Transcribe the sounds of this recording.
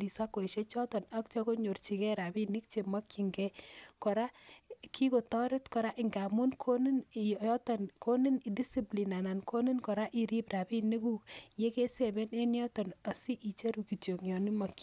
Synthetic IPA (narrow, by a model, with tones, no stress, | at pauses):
i˨sa˦ko˨e˨ʃe˦t͡ʃɔ˦tɔ˨na˦k̚t͡ʃɔ˦ko˦ɲo˨rt͡ʃi˨kɛ˦ɾa˨bi˦ni˦k̚t͡ʃe˨ma˦kːi˨ŋɡɛ˦kɔ˨ɾa˦kʰi˦ko˨tɔ˦ɾe˦tkɔ˨ɾa˦ʔɪ˨ŋɡa˨mu˦nkʰo˦ni˦n˨ɔ˦tɔ˨nko˦ni˦ni˨di˦si˦pli˨na˨na˨nko˦ni˦nkɔ˨ɾa˦ʔi˨ɾi˦pɾa˨bi˦ni˦ku˦kje˦ke˦se˨be˦ne˦njɔ˦tɔ˨na˨si˦ʔi˨t͡ʃe˦ɾu˨ki˨to˨ŋjɔ˨ni˦ma˨kː